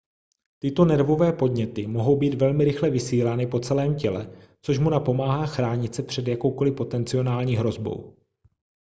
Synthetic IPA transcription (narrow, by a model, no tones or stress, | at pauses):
t̪ɪt̪o̞nɛɾvo̞vɛːpo̞dɲɛt̪ɪmo̞ɦo̞wbiːt̪vɛlmɪɾɪxlɛvɪsiːlanɪpo̞t͡sɛlɛːmcɛlɛ | t͡soʃmunapo̞maːɦaːxɾaːɲɪt̪t͡sɛpr̝̥ɛd̪jako̞wko̞lɪpo̞t̪ɛnt͡sɪo̞naːlɲiːɦɾo̞zbo̞̰w